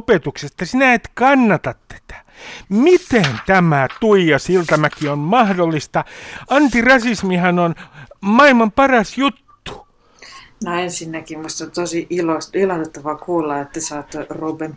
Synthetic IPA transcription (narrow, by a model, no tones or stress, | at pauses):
pet̪uksest̪ɑsinæet̪kɑnːɑt̪ɑt̪t̪e̥t̪æ̥ | mit̪ent̪æmæt̪uijɑsilt̪ɑmækionmɑhdolːist̪ɑɑnt̪irɑsismihænonmɑilmɑmpɑrɑsjut̪ːu̥ | noensinːækimuist̪ɑnt̪osiʔilosilɑt̪et̪ːɑʋɑkʰuːlːɑet̪ːæsɑːt̪ːruːben